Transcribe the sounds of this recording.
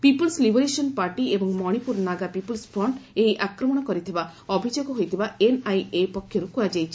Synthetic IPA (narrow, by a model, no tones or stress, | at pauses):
pipɔlslibeɾesɔnpaɾʈiebɔŋmɔɽ̃ipuɾnaɡapipulspʰɾɔɳʈeɦiʔakɾɔmɔɽ̃ɔkɔɾit̪ʰibaɔbʱid͡ʒoɡɔɦojt̪ʰibaenajepɔkʰːjɔɾukujad͡ʒajt͡ʃʰi